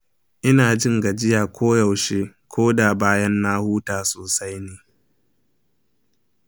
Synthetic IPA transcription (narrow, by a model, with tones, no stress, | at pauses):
ʔɪ˦naː˨d͡ʒɪ˦ŋɡa˨d͡ʒɪ˦jaː˨kʷʰoː˦ja˨wʃeː˦kʷʰoː˦daː˨baː˦jɐ˦nːa˦huː˦taː˨soː˨sa˦jneː˨